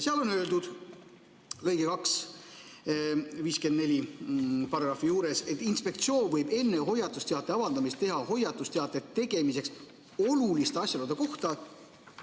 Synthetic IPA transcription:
seɑlo̞nø̞ːld̪ud̪̥ | lɤ̞jɡekɑks | viːske̞nd̪ne̞lʲipɑɾɑɡɾɑfːijuːɾe̞se̞t̪ːˑinspe̞k̚t̪sio̞ːnvɤjbe̞nːe̞ɦo̞jːɑt̪ːˑust̪eɑt̪ːˑe̞ɑvɑld̪ɑmist̪e̞ɦɑho̞jːɑt̪ːˑust̪eɑt̪ːˑe̞t̪ːe̞ɡ̥e̞mise̞ks | o̞lulist̪eɑsʲjɑlod̪eko̞ht̪ɑ

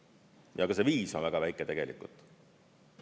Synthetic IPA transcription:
jʔɑkɑseviːso̞nvæɡ̥ɑvæjkːˑet̪e̞ɡ̥e̞lḭkːˑṵlt̪ˑ

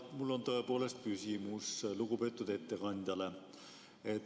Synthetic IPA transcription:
mulːo̞nt̪o̞e̞po̞ːle̞st̪̚kysʲimusluɡupe̞t̪ːˑud̪̥e̞t̪ːe̞kɑnʲd̪̥jɑle̞ | et̪ː

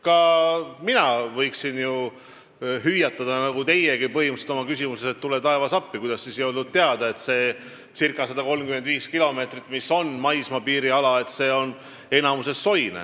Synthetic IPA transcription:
kɑminɑvɤ̞jksinju | ɦyjːɑt̪ˑːɑd̪̥ɑnɑɡut̪e̞jeɡipɤɦimuset̪o̞mɑkysimuseset̪ːule̞t̪ɑe̞vɑsɑpːikujd̪̥ɑsːisjold̪ud̪̚t̪e̞ɑd̪̥ɑe̞t̪se̞ː | sirkˑɑsɑd̪̥ɑko̞lmkymend̪viːskilo̞me̞ːt̪rit̪ːˑmisːo̞nmɑjsmɑpiːɾiɑlɑe̞t̪se̞ːo̞n | e̞nɑmuse̞sːo̞jnḛ

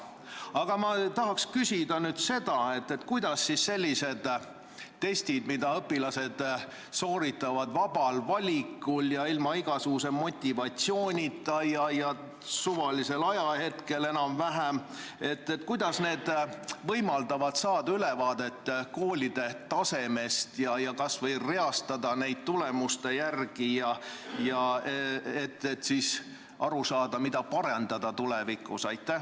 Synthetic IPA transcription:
ɑɡ̥ɑmɑt̪ɑɦɑkskysʲid̪ɑnyːd̪̥se̞d̪̥ɑe̞t̪ːe̞t̪kujd̪̥ɑsːisse̞lʲːise̞d̪̥ | t̪ːe̞sʲt̪id̪mid̪ɑɤpːˑilɑse̞d̪̥ | so̞ːɾit̪ːˑɑvɑd̪vɑbɑlvɑlʲikːˑuljɑilmɑiɡ̥ɑsuɡ̥us̬e̞mo̞t̪ʲːivɑt̪sio̞ːnʲit̪ˑːɑjɑjɑ | suvɑlise̞lɑjɑhe̞t̪ke̞le̞nɑmvæɦæm | e̞t̪ːet̪kujd̪̥ɑsne̞ːd̪̥vɤ̞jmɑld̪̥ɑvɑd̪sɑːd̪̥ɑylevɑːd̪̥e̞t̪ːko̞ːlʲid̪̥e̞t̪ːɑse̞me̞st̪jɑjɑkɑsvɤ̞jre̞ɑst̪ɑd̪ɑne̞jd̪̥̚t̪ule̞must̪e̞jærɡ̥ijɑjɑ | et̪ːet̪ːsiːs | ʔɑɾusɑːd̪̥ɑmid̪̥ɑpɑɾend̪ɑd̪̥ɑt̪ulɛvikˑːusɑjt̪ːˑæh

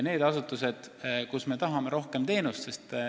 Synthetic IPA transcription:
ne̞ːd̪ɑsut̪ːˑuse̞d̪̥kusme̞t̪ɑɦɑme̞ɾo̞hke̞mt̪e̞ːnust̪sest̪

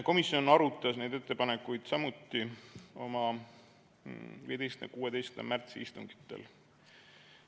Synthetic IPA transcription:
ko̞misio̞nɑɾut̪ːˑɑsne̞jd̪e̞t̪ːe̞pɑnekːˑujd̪̥sɑmut̪ːio̞mɑ | vḭje̞d̪ejsknɑ̰kuːwed̪e̞jsknd̪ɑ̰mært̪siist̪uŋɡ̥i̥t̪ːe̞̰l

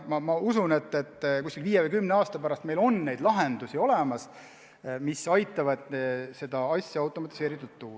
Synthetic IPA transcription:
mɑmɑusune̞t̪ːˑet̪ːkuskilviːjevejkymneɑːst̪ɑpæɾɑst̪mejlo̞nːe̞jd̪lɑɦend̪usʲio̞lɛmɑs | misɑjt̪ˑːɑvɑd̪̥se̞d̪̥ɑɑsʲːjɑɑwt̪ˑo̞mɑt̪ːˑi̥se̞ːɾit̪ːˑult̪ːuː

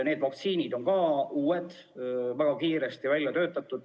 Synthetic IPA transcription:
neːd̪vɑk̚t̪siːnid̪o̞ŋkɑuːed̪̥ | væɡ̥ɑkiːɾe̞st̪ivælʲjɑt̪ø̞ːt̪ːˑɑt̪ːˑud̪̥

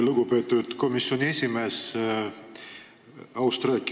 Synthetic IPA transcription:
luɡ̥upe̞ːt̪ːˑud̪̥ko̞misːio̞nʲiesʲime̞ːs | ɑwst̪ɾɑk

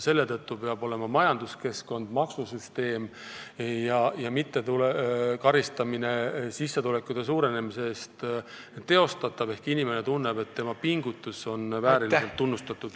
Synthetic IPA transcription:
se̞lːe̞t̪ɤt̪ːupe̞ɑbo̞le̞mɑmɑjɑnd̪uske̞sko̞nd̪̥mɑksusyst̪e̞ːm | jɑjɑmit̪ːe̞t̪ulekɑɾist̪ɑmine̞sisːe̞t̪ule̞kːˑud̪̥e̞suːɾe̞ne̞misest̪ | t̪ːe̞o̞st̪ɑt̪ːˑɑbe̞hkinʲime̞ne̞t̪unːe̞be̞t̪ːe̞mɑpiŋɡut̪ːˑuso̞nvæːɾilseltt̪ːunːust̪ɑt̪ːˑud̪̥

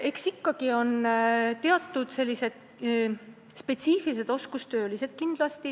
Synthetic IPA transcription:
e̞ksikːɑɡ̥io̞nt̪e̞ɑt̪ːˑud̪̥se̞lːise̞d̪̥̚ | spe̞t̪siːfilise̞d̪̥o̞skust̪ø̞ːlise̞d̪̥̚kind̪̥lɑst̪i

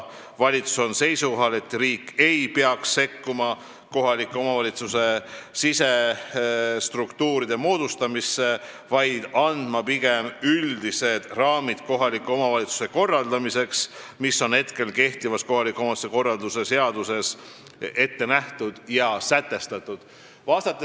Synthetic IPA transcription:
vɑlʲit̪su̥so̞nse̞jsuko̞ɦɑle̞t̪ːriːkːe̞jpeɑksːe̞kːumɑ | ko̞ɦɑlikːˑuo̞mɑvɑlit̪suse̞sise̞ | st̪rukt̪uːɾid̪̥e̞mo̞ːd̪̥ust̪ɑmisːe̞ | vɑjd̪̥ɑnd̪̥mɑpiɡe̞myld̪ise̞d̪̥rɑːmid̪̥ko̞ɦɑlikːuo̞mɑvɑlit̪su̥se̞ko̞rːɑld̪̥ɑmise̞ksmisːo̞nhe̞t̪ke̞lke̞ht̪ivɑsko̞ɦɑlikːˑomɑsuseko̞rːɑld̪use̞se̞ɑd̪use̞s | e̞t̪ːe̞næht̪ud̪̥jɑsæt̪ːˑe̞st̪ɑt̪ˑːud̪̥ | vɑːst̪ɑt̪ːˑe

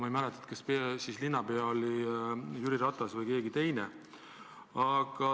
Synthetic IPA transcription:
mɑjmælet̪ːˑɑ̥et̪kɑspesislinːɑbeɑolʲijyɾiɾɑt̪ˑɑsvɤjke̞ːɡit̪e̞jne | ɑɡ̥ɑ

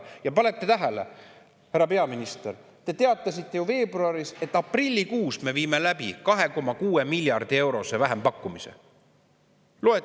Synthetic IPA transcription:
jɑpɑlet̪ːet̪æɦelḛ | hæɾɑpe̞ɑminist̪er | t̪e̞t̪e̞ɑt̪ːˑɑsit̪ːe̞juve̞ːbruɑɾise̞t̪ːˑɑprilʲːikuːsme̞viːme̞læb̥ikɑɦe̞ko̞mɑkuːe̞milʲjɑrd̪̥ie̞wɾo̞se̞væɦempɑkːumisḛ | lo̞e

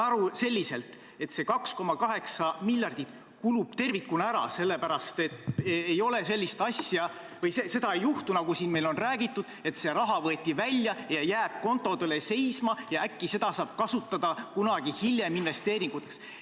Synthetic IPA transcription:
ɑɾuse̞lʲːise̞lt̪ | e̞t̪se̞kɑksko̞mɑkɑɦe̞ksɑmilʲjɑrd̪̥it̪ | kulub̥t̪e̞rvikːunæɾɑ̰se̞lːepæɾɑst̪e̞t̪ejo̞le̞se̞lːist̪ɑsjɑ | vɤjsese̞d̪ɑe̞juht̪unɑɡusiːnme̞jlo̞nræːɡit̪ːˑud̪̥e̞t̪se̞ɾɑɦɑvɤet̪ʲːˑivælʲjɑjɑjæːb̥̚ko̞nt̪ːˑo̞d̪e̞le̞se̞jsmɑjɑækːise̞d̪ɑsɑːb̥̚kɑsut̪ːˑɑd̪̥ɑkunɑɡ̥ihilʲje̞minve̞st̪e̞ːɾiŋɡ̥ut̪ːˑeks

